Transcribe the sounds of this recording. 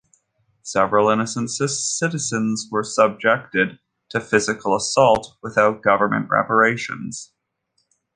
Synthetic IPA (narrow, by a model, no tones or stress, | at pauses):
sɛvɹəl̩ˠɪ̃nɨsə̃nsɨssɪɾɨzɨ̃nzwə˞səb̚d͡ʒɛk̚tɪd̚ | tʰɨfɪzɨkʰl̩ˠəsɔlˠt̚wəθaʊt̚ɡ̥ʌvə˞mɨ̰̃nʔɹɛ̰pə˞eɪʃɨ̰̃nz̥